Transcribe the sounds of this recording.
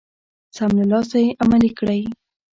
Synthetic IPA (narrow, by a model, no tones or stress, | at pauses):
samlɪlɑsajeʔamalikɽaj